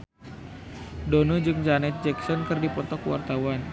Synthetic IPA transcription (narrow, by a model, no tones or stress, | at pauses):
donɔd͡ʒɨŋd͡ʒanɛt̪̚d͡ʒɛksɔnkɨrdipɔt̪ɔkwa̰rt̪awan